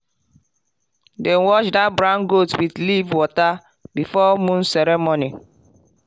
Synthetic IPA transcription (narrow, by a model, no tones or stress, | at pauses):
dɛ̃nwɔt͡ʃdabɹãnɡotwidlivwɔta | bifɔmũnsɛɾɛmoni